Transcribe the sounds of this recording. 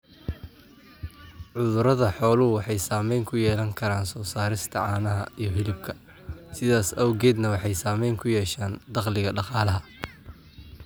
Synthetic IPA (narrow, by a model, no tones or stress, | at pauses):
ʕʊðʊɾɐðɐħɔːlʊwɑħɑjsaːmɛjŋkʰʊjɛːlɐŋkʰɐɾaːnsɔːsaːɾɪst̪ʰɐʕɑːnɐɦɐ̰ijɞɦɪlɪbkʰɐ | sɪðaːsɐwɣɛːd̪nɐwɑħɑjsaːmɛjŋkʰʊjɛːʃaːnd̪ɑqlɪɣɐɖɑqɑːlɐɦɐ